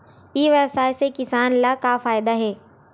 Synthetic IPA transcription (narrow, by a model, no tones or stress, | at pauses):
iʋjɛbsaːjsekɪsaːnlakafaːjɪd̪aɦɛː